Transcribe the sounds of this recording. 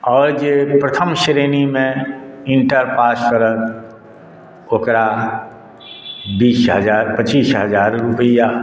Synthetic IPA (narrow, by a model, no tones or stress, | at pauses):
ɔːɾd͡ʒepɾət̪ʰəmʃɾeːnimẽɪ̃ɳʈəɾpaːskəɾət̪̚ | okɾa | biːsɦəd͡ʒaːɾpət͡ʃiːsɦəzaːɾːupəja